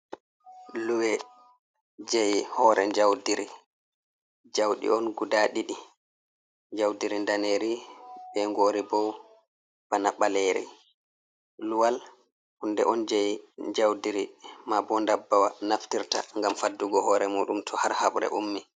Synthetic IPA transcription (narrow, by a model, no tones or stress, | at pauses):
luwɛ | d͡ʒɛjhɔːɾɛɲd͡ʒawdiɾi | d͡ʒawɗḭɔnɡudaɗiɗi | ɲd͡ʒawdiɾindaneɾiɓɛŋɡoːɾibɔ | b̥anaɓaleɾḭ | luwal | hundɛ̰ʔɔnd͡ʒɛjɲd͡ʒawdiɾimabɔndabːawanaftiɾta̰ŋɡamfadːuɡɔhɔːɾɛmuːɗumtʰɔhaɾhaɓɾɛ̰ʔumːi